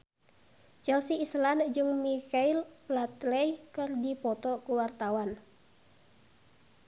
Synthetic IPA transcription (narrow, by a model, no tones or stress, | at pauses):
t͡ʃɛlsiːsland͡ʒɨŋmikailplat̪lɛjkɨrdipɔt̪ɔkuwart̪awan